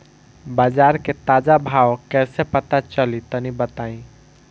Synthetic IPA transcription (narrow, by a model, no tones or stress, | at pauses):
baːd͡ʒaːɾket̪aːd͡ʒabʱawkɛːsepət̪at͡ʃəlit̪ənibət̪aĩ